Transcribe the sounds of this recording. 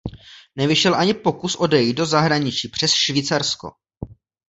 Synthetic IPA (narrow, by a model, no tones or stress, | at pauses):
nɛvɪʃɛlʔaɲɪpo̞kusʔo̞dɛjit̚do̞zaɦɾaɲɪt͡ʃiːpr̥ɛsʃvit͡saɾsko̞̰